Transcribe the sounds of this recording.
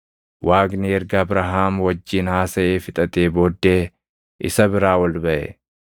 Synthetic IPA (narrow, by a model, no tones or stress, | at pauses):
wʔaːɡniɛɾɡɐːbɾɐɦaːmwɐd͡ʒːiːnhaːsɐʔeːfɪt̪ʼɐt̪eːbo̞ːd̪ːe̞ː | ʔɪ̰sɐbɪɾaːwɐlbɐʔɛ̰